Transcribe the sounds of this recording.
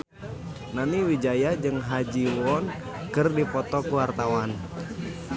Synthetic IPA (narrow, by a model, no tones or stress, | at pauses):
naniwid͡ʒajad͡ʒɨŋɦad͡ʒiwɔn | kɨrdipɔt̪ɔkuwart̪awan